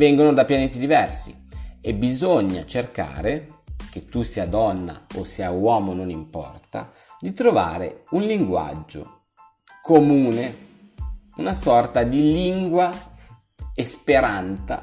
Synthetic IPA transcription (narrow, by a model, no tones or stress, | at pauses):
vɛŋɡonod̪apjaneːt̪id̪ivɛrsḭ | ebizoɲːa̰t͡ʃerka̰ːɾek̟et̪ːusiːad̪ɔnːa̰osːiːawɔːmononimpɔ̰rt̪a̰ | d̪it̪ɾova̰ːɾḛunliŋɡwa̰d͡ʒːo̰ | komuːne | unasɔrt̪ad̪iliŋɡwa | espeɾant̪sa̰